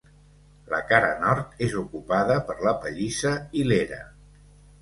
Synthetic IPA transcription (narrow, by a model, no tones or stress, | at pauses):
lə̰kaɾə̰nɔɾt̪ezukupaðəpəɾləpəʎisəileɾə̰